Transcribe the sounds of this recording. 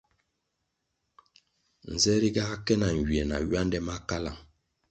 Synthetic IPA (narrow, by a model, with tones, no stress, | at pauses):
n̩˨zɛ˦ɾi˦ɡa˦kɛ˦na˨ŋ˨ɡi˨ɛ˨na̰˨ɥɥa˦ndɛ˦ma˦ka˦la̰˨ŋ